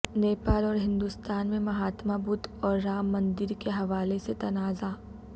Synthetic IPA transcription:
neːpaːlɔːɾɦɪ̃nd̪ust̪aːnmẽmɐɦaːt̪mabʊt̪ɔːɾːaːmːɐ̃nd̪ɪɾkeɦɐʋaːleset̪ɐnaːza

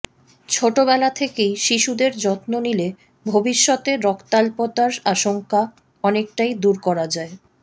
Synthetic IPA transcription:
t͡ɕʰoʈobɛlat̪ʰekejʃiʃud̪eɾd͡ʑɔt̪nonile | bʱobiʃːɔt̪eɾɔkt̪alpot̪aɾaʃoŋka | ɔnek̚ʈajd̪uɾkɔɾad͡ʑae

